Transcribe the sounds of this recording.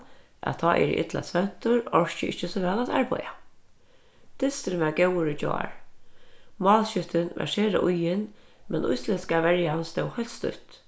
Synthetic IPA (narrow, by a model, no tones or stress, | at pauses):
ʔa̰t̪ʰɔːʔɛ̰ɾḭʔɪ̰t̪la̰sʋɛn̥t̪ʊɹɔɹt͡ʃɪʔɪht͡ʃːəsɔʋɛːlat̪a̰ɹpɔ̰ja | t̪ɪst̪ɪɾmɛɹɡɛwəɾɪd͡ʒɔ̰ːa̰ɹ | mɑːlʃʏt̪ɪnʋɛ̰ʂɛːɾa̰ʔʊjɪn | mɛnʔʊ̰jslɪskaʋɛɹjanst̪ɛwhœlst̪ʏ̰ht̪